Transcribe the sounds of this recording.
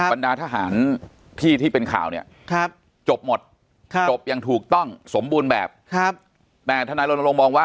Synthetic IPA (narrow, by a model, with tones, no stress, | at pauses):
ndaː˧t̪ʰa˧ɦaː˩˦n | t̪ʰiː˥˩t̪ʰiː˥˩pe˧nkʰa̰ː˨˩wni˥˩ɐ | kʰa˦˥p̚ | t͡ɕo˨˩p̚mo˨˩t̪̚ | kʰt͡ɕo˨˩p̚ja˧ŋt̪ʰuː˨˩k̚t̪ɔ˥˩ŋso˩˦mbuː˧nbɛː˨˩p̚kʰa˦˥ | t̪ɛː˨˩t̪ʰa˧naː˧jlo˧n˧lo˧ŋmɔː˧ŋwaː˥˩